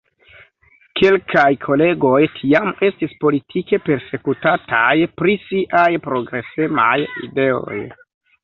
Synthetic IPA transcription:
kʰe̞lkʰajkʰo̞le̞ɡo̞jtʰiame̞stispo̞litʰike̞pe̞ɾse̞kutatajpɾisiʔajpɾo̞ɡɾe̞se̞ma̰jḭde̞o̞̰j

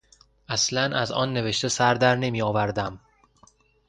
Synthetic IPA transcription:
ʔæslænʔæzɒ̰ːnːe̞ve̞ʃt̪e̞sæɾd̪æɾne̞mijɒːvæɾd̪æm

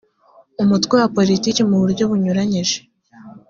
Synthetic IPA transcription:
umutwewapo̞litiːcimuβuɾɟo̞βuɲuɾaɲiʒe̥

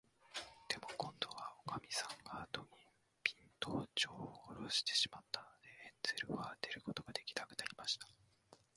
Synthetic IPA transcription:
d̪̥e̞mo̞kõ̞nd̪o̞βaokamʲisãŋɡaːt̪o̞ɲ̟ʲi | pʲĩnt̪oːt͡ɕoːoɾoɕi̥t̪e̞̥ɕimat̪ːano̞d̪e̞enz̥eɾɯ̟βat̪e̞ɾɯ̟ko̞t̪o̞ɡ̥ad̪e̞kʲi̥nakɯ̟̥naɾʲimaɕi̥t̪ḁ

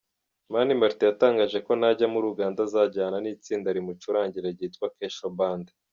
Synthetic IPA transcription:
manimaɾtijataːŋɡaːʒe̞ko̞naɟamuɾuɡaːndazaɟaːnaniːt͡siːndaɾimut͡ʃuɾaːɲɟiɾeɾɟiːtkwakeːʃobaːnde

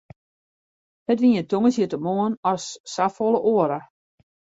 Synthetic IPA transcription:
hətʋiətoŋəsjətəmoənɔsːafolˠəʔoəɾə

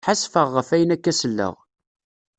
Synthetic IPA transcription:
ħasfəʁːəfæjənækːæsəlːə̰ʁ

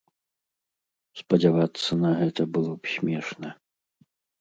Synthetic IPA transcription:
spɐd͡zʲavat̪sːɐnɐɣɛt̪ɐbɨlˠɔpsʲmʲɛʂnɐ

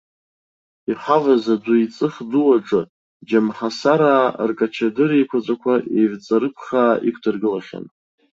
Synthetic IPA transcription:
iħavazadʷʊit͡sʼɨχduwaʈ͡ʂʼɨ | d͡ʒamħasaɾaːrkʼat͡ʃʰadɨɾejkʷʰat͡sʷʼakʷʰaevt͡sʼaɾɨpʰχaːḭkʷʰdʰɨrɡɨlaχʲa̰n

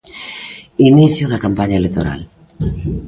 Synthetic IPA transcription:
iniθjoðakampaɲaelek̚t̪oɾa̰l

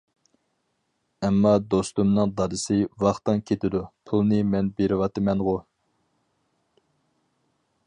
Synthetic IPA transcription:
ɛmːɑd̪ost̪umnɨŋd̪ɑɾɨsɨvɑχt̪ɨŋkʲʰet̪ʰɪd̪upʰulˠnɨmɛnbeɾɪwɑt̪ɨmɛnʁʊ

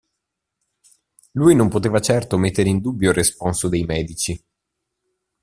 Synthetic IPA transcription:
lujnompot̪eːvat͡ʃɛrt̪omet̪ːeɾeind̪ubːjoresponsod̪ejmɛːd̪it͡ʃi

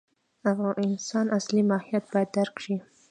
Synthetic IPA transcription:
afɣɑnɪnsɑnaslimɑhijat̪̚bɑjad̪ːaɾkʃi

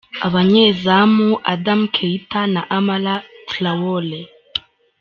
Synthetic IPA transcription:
a̰βaɲezamuʔa̰damkʰeitanaʔamalatlawole

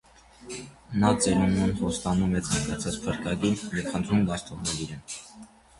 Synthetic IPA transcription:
nɑt͡sɛɾununhɔst̪ɑnumɛt͡sʰɑŋɡɑt͡sʰɑt͡spʰəɾkɑɡinjɛvχənt̪ʰɾumɡɑst̪ʰɔʁnɛliɾɛn

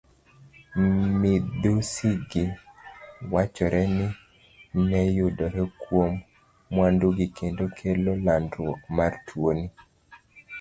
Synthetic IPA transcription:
mɪdusiɡɪ | wat͡ʃɔɾʔɛnɪ | nɛjʊdɔɾɛkwomː | wanduɡikʰendokʰelolandɾwɔkmartʰwoni

